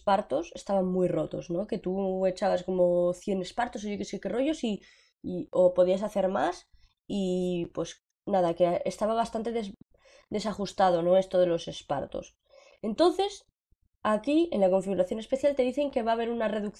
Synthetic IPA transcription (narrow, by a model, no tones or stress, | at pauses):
paɾt̪o̞se̞st̪aβ̞aŋmujro̞t̪o̞̰zno̞ke̞t̪ue̞t͡ʃaβasko̞mo̞θje̞ne̞spaɾt̪o̞soʝoke̞sekero̞ʝjo̞si | iopo̞ðias̬aθe̞ɾmas | ipwe̞s | naðakeest̪aβaβ̞ast̪ant̪eðe | d̪e̞saxust̪að̞o̞no̞est̪o̞ð̞e̞lo̞se̞spa̰ɾt̪o̞̰s | e̞nt̪o̞n̟θe̞s | akie̞̰nlako̞ɱfiɣuɾaθjone̞spe̞θjalt̪e̞ðiθe̞ŋke̞βaːβ̞e̞ɾunare̞ðukθ